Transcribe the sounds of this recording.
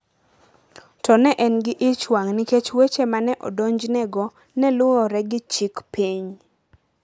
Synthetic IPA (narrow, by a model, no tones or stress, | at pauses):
tɔnɛʔɛnɡɪʔɪt͡ʃwaŋniket͡ʃwet͡ʃemanɛʔɔ̰doɲd͡ʒnɛɡɔ | nɛlʊɔɾɛɡɪt͡ʃikpiɲ